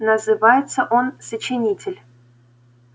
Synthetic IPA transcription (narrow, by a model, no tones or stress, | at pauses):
nəzɨvajɪt̪səʔonsət͡ɕɪnʲitʲʰɪlʲ